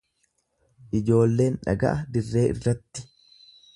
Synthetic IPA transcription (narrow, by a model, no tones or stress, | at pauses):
ʔɪd͡ʒo̞ːlːe̞ːnᶑɐ̰ɡɐ̰ʔɐd̪ɪrːe̞ːʔɪ̰rːɐt̪ːɪ̥